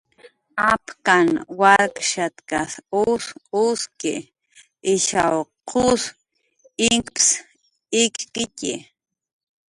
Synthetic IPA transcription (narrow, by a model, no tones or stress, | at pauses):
apkanwaɾkʃat̪kasusʊskḛ | ɪʃawqʰʊs | ɪŋkps | ɪkqɪcḭ